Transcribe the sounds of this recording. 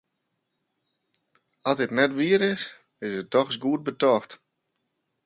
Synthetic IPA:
atɪtnɛtʋiəɾɪs | ɪsət̚ɔxsɡuət̚bətɔxt

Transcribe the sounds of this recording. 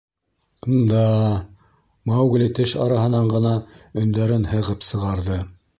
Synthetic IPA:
und̪ɑ | mɑwɡlʲit̪ɘʃɑ̰ɾɑɦɤ̆nɑɴɢɤ̆nɑɵ̆nd̪æɾɘnhɤ̆ʁɤpsɤ̆ʁɑɾðɤ

